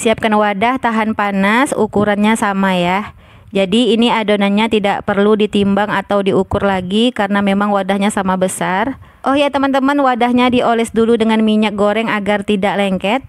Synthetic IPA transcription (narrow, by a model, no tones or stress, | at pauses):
siap̚kanwadaht̪aɦanpanasṵkuɾanɲasamajah | d͡ʒadiːniadonaɲat̪idaʔpərludit̪imbaŋat̪awdiukʊrlaɡikaɾənamemaŋwadahɲasamabəsar | ʔɔhjat̪əmənt̪əmənwadahɲadiʔolɛsduludəŋanmiɲak̚ɡoɾɛŋaɡart̪idaʔlɛŋkɛt̪̚